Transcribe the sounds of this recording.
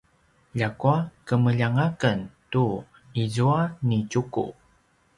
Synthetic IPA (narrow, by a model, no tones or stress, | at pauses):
ʎakuakəməʎaŋakəntu | izuanit͡ʃukṵ